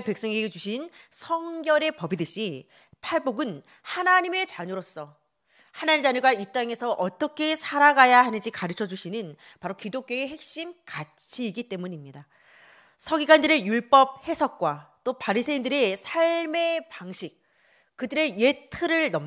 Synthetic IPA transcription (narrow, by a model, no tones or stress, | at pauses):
pe̞k̚s͈ʌŋeɡed͡ʑuɕʰinsʰʌŋɡjʌɾe̞pʌbidɯɕ͈i | pʰaɭboɡɯn | hanaɲime̞t͡ɕaɲoɾos͈ʌ | hanaɲimd͡ʑaɲoɡait͈aŋe̞sʰʌʔʌt͈ʌkʰe̞sʰaɾaɡajahanɯnd͡ʑikaɾɯt͡ɕʰʌd͡ʑuɕʰinɯn | paɾokidok̚k͈joeɦe̞k̚ɕ͈imkat͡ɕʰiːɡit͈e̞muɲimɲida | sʰʌɡiɡandɯɾe̞juɭp͈ʌp̚he̞sʰʌk̚k͈wat͈opaɾisʰeindɯɾe̞sʰaɭme̞paŋɕʰik̚ | kɯdɯɾe̞je̞tʰɯɾɯɭnʌm